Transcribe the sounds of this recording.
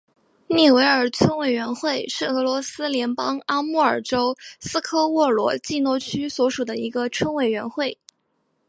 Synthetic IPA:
ni˥˩we˧˥ɪə˞˨˩t͡sʰwə˥nwe˨˩ɪɥɛ˧˥nxwe˥˧ɪʂɻ̩˥˩ɤ˧˥lwɔ˧˥sɹ̩˥ljɛ˧˥npɑ˥ŋa˥mu˥˩ə˞˨˩ʈ͡ʂo˥ʊsɹ̩˥kʰɤ˥wɔ˥˩lwɔ̰˧˥t͡ɕi˥˧nwɔ˥˧t͡ɕʰy˥swɔ˧˥ʂu˨˩d̪ə˦i˧˥ɡə˧t͡sʰwə˥nwe˨˩ɪɥɛ˧˥nxwe˥˩ɪ

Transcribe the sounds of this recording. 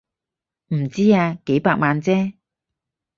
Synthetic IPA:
m̩˨˩t͡siː˥aː˧ke˨˥jpaː˧k̚maː˨˧nt͡sɛː˥

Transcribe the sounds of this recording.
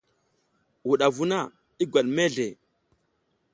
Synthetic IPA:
wu˨ɗa˨vu˦na˦˨ | i˦ɡʷwa˨ɗme˦ɮe˨

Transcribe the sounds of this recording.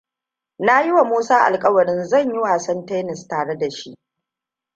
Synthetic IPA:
na˦jɪ˦wa˨muː˦saː˦ʔa̰˨lkʼɐ˦wɐ˨ɽɪ˦nzɐ˦˨ɲjɪ˦waː˨sɐ˦ntɛː˦nɪ˨staː˨ɽe˦da˨ʃi˦ʔ

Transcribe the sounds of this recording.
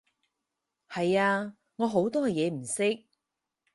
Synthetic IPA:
hɐ˨jaː˧ | ŋɔː˨˧ɦo˨˥wt̪ɔː˥jɛː˨˧m̩˨˩sɪ˥k̚

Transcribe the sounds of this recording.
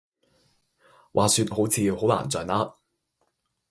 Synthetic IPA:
wʔaː˨syː˧t̚ho˨˥wt͡sʰiː˨˧ho˨˥wla̰ː˨˩nt͡sœː˨˧naː˥

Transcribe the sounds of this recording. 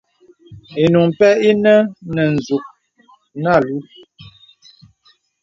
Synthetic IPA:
e˨nu˨ŋ˨pɛ˦i˦nə˦nə˨n̩˨zu˨ʔ̚ | na˦˨lu˨˦

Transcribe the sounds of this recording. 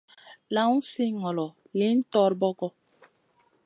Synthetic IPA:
lã˦ũ˦si˦ŋɔ˨lɔ˨ | li˦n̩˦tɔ˦ɾbɔ˦ɡɔ˦

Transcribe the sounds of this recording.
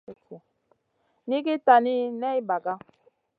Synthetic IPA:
ku˨ | ni˦ki˦ta˨ni˦nɛ˦i˦ba˨ɡa˦

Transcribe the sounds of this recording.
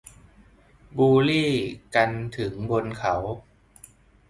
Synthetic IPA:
buː˧liː˥˩ka˧nt̪ʰɯ˩˦ŋbo˧nkʰa˦w

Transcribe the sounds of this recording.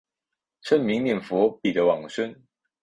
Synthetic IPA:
ʈ͡ʂʰə˥˩nmi˧˦ŋnjɛ˨˩nfɔ˧˦pi˨˩d̪ə˦wɑ˨˩ŋʂə˥˦n

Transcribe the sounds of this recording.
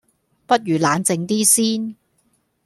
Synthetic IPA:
pɐ˥t̚jyː˨˩laː˨˧nt͡sɪ˧ŋt̪iː˥siː˥n

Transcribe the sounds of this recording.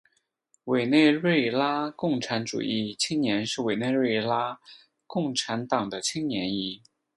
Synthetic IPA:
we˨˩ɪne˥˧ɪɻe˥˩ɪla˥kʊ˥˩ŋʈ͡ʂʰa˧˥nʈ͡ʂṵ˨˩i˥˩t͡ɕʰi˥ŋnjɛ˧˥nʂɻ̩˥˩we˨˩ɪne˥˧ɪɻe˥˩ɪla˥ | kʊ˥˩ŋʈ͡ʂʰa˧˥nt̪ɑ˨˩ŋd̪ə˦t͡ɕʰi˥ŋnjɛ˧˥ni˧˥

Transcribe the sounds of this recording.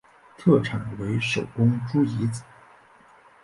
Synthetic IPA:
t̪ʰɤ˥˩ʈ͡ʂʰɑ˨˩ŋwe˧˥ɪʂo˨˩ʊkʊ˥ŋʈ͡ʂu˥i˧˥t͡s̩˨˩˦

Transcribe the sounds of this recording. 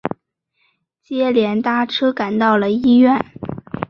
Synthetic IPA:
t͡ɕjɛ˥ljɛ˧˥nt̪a˥˩ʈ͡ʂʰɤ˥ka˨˩nt̪ɑ˥˩ʊlə˩i˥ɥɛ˥˩n

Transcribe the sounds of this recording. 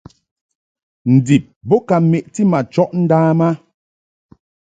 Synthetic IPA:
n̩˨di˨p̚bɔ˦ka˨me˨ʔti˦ma˨t͡ʃɔ˦ʔn̩˦daː˦ma˦

